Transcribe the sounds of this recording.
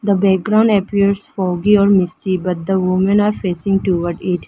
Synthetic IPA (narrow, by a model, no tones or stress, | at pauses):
d̪əbɛk̚ɡɾãʊ̃ɳɖəpiəɾsfɔːɡiɔːɾmɪsʈibɐʈ̚d̪əʋʊmə̃naːɾfeːsɪ̃ŋʈuʋəɾɖɪʈ